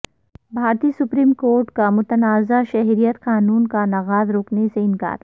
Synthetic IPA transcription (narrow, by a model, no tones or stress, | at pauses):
bʱaːɾt̪iːsʊpɾiːmkoːɾʈkamʊt̪ənaːzaʃɛɦɾijət̪qaːnuːnkanɐɣaːzɾoːkneseɪnka̰ːɾ